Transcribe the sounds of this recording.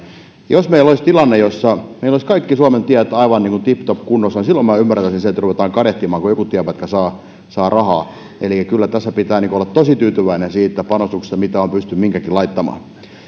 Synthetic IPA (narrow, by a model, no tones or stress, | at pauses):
josmeiloist̪ilɑnːejosːɑmeiloˑliskɑikːisuɑment̪iæt̪ɑiʋɑnniːŋkunt̪ipt̪opkunːosːɑnisilːommæːymːært̪æsinset̪ruʋet̪ɑːŋkɑɾeht̪imɑːŋkujokut̪iæpæt̪kæsɑː | sɑːrɑhɑː | ʔelikːˑækylːæt̪æsːæpit̪æːniŋkoolːɑtt̪osit̪yːt̪yʋæinensiːt̪ːæpɑnost̪ukse̥st̪ːɑmit̪æompyst̪ymmiŋkækilɑit̪ːɑmɑ̰ː